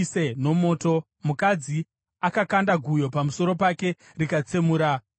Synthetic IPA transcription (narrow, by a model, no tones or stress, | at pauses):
seno̞mo̞ːto̞ | mukad͡zi | akakandaɡʱujo̞pamuso̞ɾo̞pake̞ | rikat͡semuːɾa